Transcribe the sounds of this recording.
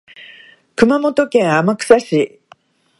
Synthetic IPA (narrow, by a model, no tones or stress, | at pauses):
kɯ̟mamo̞t̪o̞kẽ̞ɰ̃amakɯ̟̥saɕi